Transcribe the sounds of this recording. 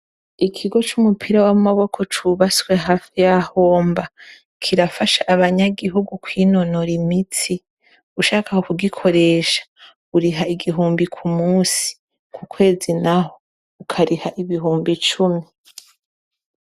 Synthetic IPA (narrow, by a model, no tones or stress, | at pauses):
ikʰiɡo̞t͡ʃumupʰiɾawamaβo̞kʰo̞t͡ʃuβaswe̞ɦaːfijaho̞ːmba | kʰiɾafaʃaʔaβaɲaɡiɦuɡukwiːno̞noɾimiti | uʃaːkahokuɡikʰo̞ɾe̞ʃḁ | uɾiɦaiɡiɦuːmbikʰumuːsi̥ | kʰukʰwe̞ːzinaho | ukʰaɾihaʔiβiɦuːmbit͡ʃumi